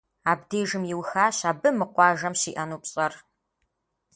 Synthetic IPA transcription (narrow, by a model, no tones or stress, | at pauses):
aːbdeːʒɨmjɪwxaːɕaːbɨmɨqʷɑːʒɐmɕiːʔɐnuːpɕʼɐr